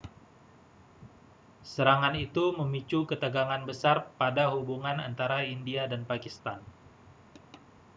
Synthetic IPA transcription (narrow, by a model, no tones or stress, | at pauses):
səɾaŋanit̪uməmit͡ʃukət̪əɡaŋanbəsarpadaɦubuŋana̰nt̪aɾaindiadanpakist̪an